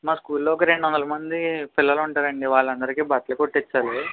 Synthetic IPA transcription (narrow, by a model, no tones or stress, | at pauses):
maːskuːlːoːkɾe̞ɳɖuʋɐnd̪ɐlɐmɐnd̪ipilːɐluɳʈaːɾɐɳɖiʋaːɭːɐnd̪ɐɾikiːbaːt̪ɐlɐkoʈːit͡ʃːaːli